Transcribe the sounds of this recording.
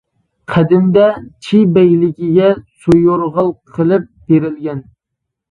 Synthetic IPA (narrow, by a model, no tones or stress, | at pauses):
qʰæd̪ɪmd̪ɛt͡ʃʰibɛjlɪkʲiɡʲɛsujoɾʁɑlˠqʰəlˠɪp̚b̥eɾɪlɡʲɛn